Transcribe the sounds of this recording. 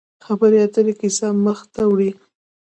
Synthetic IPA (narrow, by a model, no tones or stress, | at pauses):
xabəɾeat̪əɾekisaməxt̪awɽi